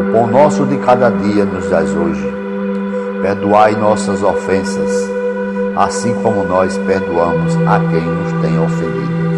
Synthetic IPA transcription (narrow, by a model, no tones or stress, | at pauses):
põnɔsʊd̪ɪkad̪ɐd̪iɐnʊzd̪a̰zoʒɪ | peɾd̪uajnɔsɐzofẽsɐs | a̰sĩkõmʊnɔjspeɾd̪uɐ̃mʊzakẽj̃nʊst̪ẽj̃ofẽnd̪ḭd̪ʊ